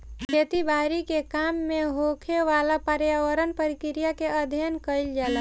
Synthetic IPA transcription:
kʰeːt̪ibaːɾikekaːmːẽɦoːkʰeʋaːlapəɾjaːwəɾənpəɾɪkɾijakeəd̪ʱjnkəɪld͡ʒaːla

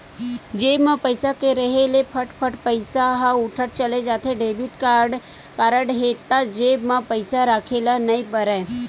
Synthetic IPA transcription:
d͡ʒeːbmãpəɪsakeɾɐɦelepʰəʈpʰəʈpəɪsaɦaʊʈʰəʈt͡ʃəled͡ʒaːt̪ʰeɖeːbɪʈkaːɾɖ | kaːɾəɖɦeːt̪ad͡ʒeːbmãpəɪsaɾaːkʰelanɐipəɾɛ

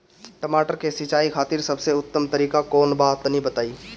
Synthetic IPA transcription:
ʈɐmaːʈəɾkesɪt͡ʃaːikʰaːt̪ɪɾsɐbseʊt̪ːəmt̪ɐɾiːkakɔːnbaːt̪nĩbɐt̪aːiː

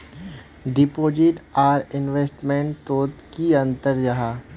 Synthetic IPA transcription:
ɖɪpoːd͡ʒɪʈaːɾɪnʋeːsʈmẽɳʈt̪oːt̪kiɐ̃nt̪əɾd͡ʒaɦa

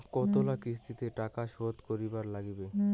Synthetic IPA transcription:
kɔt̪olakis̬t̪ʰit̪eʈakaʃod̪koɾibaɾlaɡbe

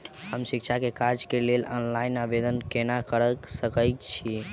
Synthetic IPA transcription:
ɦəmsikt͡ʃʰakekaɾd͡ʒkelelɔnlainabed̪ənkenakəɾəksəkəjt̪t͡ʃʰi

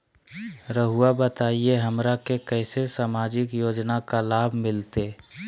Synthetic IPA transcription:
ɾəɦuabət̪aːieɦəmɾakekɛːsesaːmaːd͡ʒɪkjoːd͡ʒnakalaːbʱmɪlt̪e

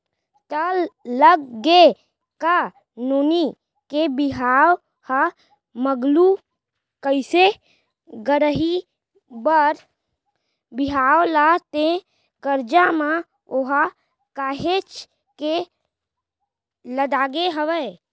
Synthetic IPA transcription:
t̪əlləɡɡe | ka | noːni | kebiɦaw | ha | məɡlu | kəɪse | ɡəɾəɦi | bəɾ | biɦawlat̪ẽ | ɡəɾd͡ʒama | oɦa | kaːɦet͡ʃ | ke | ləd̪aːɡeɦəʋə

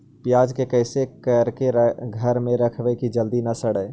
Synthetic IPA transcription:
pjad͡ʒkekəjsekəɾkeɾɡʱəɾmeɾəkʰbɛkid͡ʒəld̪inəsəɽə

